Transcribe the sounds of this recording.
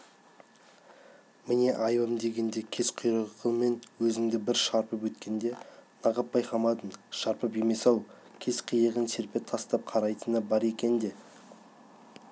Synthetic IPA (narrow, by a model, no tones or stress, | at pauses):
mɪne̞ʔɑjbəmd̪e̞ɡʲe̞nd̪e̞kʲʰe̞zqʰʊjɾəʁʁəme̞nwɵzɪŋd̪ɪbɪɾʃɑɾpəpwɵt̪kʲe̞nd̪e̞nɑʁəp̚bɑjqɑmɑt̪ənʃɑɾpəpe̞me̞sɑlˠ | kʲʰe̞zqʰijəʁənse̞ɾpe̞t̪ʰɑst̪ɑp̚qʰɑɾɑjt̪ənəbɑɾe̞kʲe̞nd̪e̞